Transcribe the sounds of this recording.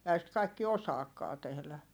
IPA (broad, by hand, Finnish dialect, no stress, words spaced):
ehæ sit kɑikːi osɑːkːɑː tehlæ